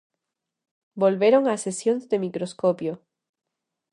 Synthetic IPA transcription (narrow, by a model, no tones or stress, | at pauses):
bolβe̞ɾo̞ŋasesjonzd̪e̞mikɾo̞skopjo